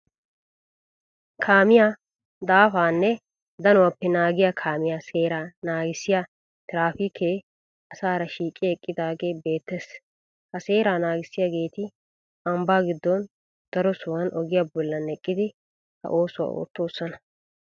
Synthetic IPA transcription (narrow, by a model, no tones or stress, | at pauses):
kʰaːmɪja | d̪aːfaːnːɛ | d̪ɐnɔwɐpːɛnaːɡɪjakʰaːmɪjaːse̞ːɾaːnaːɡɪsːɪja | t̪ɪɾaːfiːkʰeː | ɐsaːɾɐʃiːkʼːɪɛkʼːɪd̪aːɡe̞ːbe̞ːt̪ːes | hɐseːɾaːnaːɡɪsːɪjaɡe̞ːt̪ɪ | ɐmbaːɡɪd̪ːɔn | d̪̥ɐɾɔsʊwɐnʔɔɡɪjabɔlːɐnɛkʼːɪd̪ɪ | hɐ̰ʔo̞ːsʊwa̰ʔo̰ːt̪ːoːsːɐnɐ̥